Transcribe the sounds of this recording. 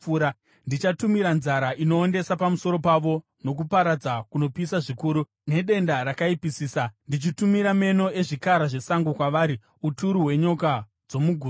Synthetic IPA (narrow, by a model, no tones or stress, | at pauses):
ɾa | ndit͡ʃatumiɾanzaɾaʔino̞ːnde̞sapamuso̞ɾo̞paʋo̞ | no̞k̬upaɾad͡zakuno̞pisaʐikuːɾu | ne̞ɗe̞ndaɾakaipisiːsandit͡ʃitumiɾame̞no̞e̞ʐikaɾaʐe̞saŋɡukwaʋaːɾi | utuɾuɦwe̞ɲoka | d͡zo̞muɡʱuː